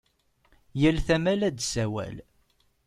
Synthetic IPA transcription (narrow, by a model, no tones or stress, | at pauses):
jəlθæmælæd̪sæwæ̰l